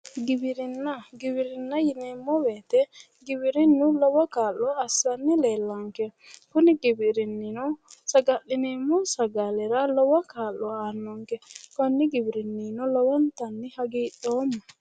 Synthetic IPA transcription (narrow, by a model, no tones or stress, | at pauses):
ɡɪbɪɾɪnːɐɡɪbɪɾɪnːɐjɪneːmːɔweːt̪ɛ | ɡɪbɪɾɪnːʊlɔwɐkaːlːɔːsːɐnːɪleːlːɐŋkɛkʊnɪɡɪbɪɾɪnːɪnɔsɐɡɐʔːɪneːmːɔsɐɡalɛɾɐlɔwɐkaːlːɔaːnːɔŋkɛkɔnːɪɡɪbɪɾɪnːinɔlɔwɐnt̪ɐnːɪhɐɡiːɗoːmːɐ